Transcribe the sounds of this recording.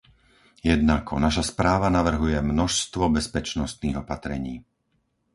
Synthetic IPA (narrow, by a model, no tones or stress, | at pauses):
jɛd̪nakʰɔnaʃaspɾaːʋanaʋr̩ɦujɛmnɔʃst̪ʋɔbɛspɛt͡ʃnɔst̪niːɣɔpat̪ɾɛ̰ɲiː